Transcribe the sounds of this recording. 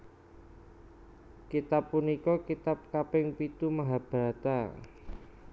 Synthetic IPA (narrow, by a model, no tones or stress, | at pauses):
kit̪apːunikɔkit̪ap̚kapɪŋpit̪umaɦab̥ɾa̤t̪a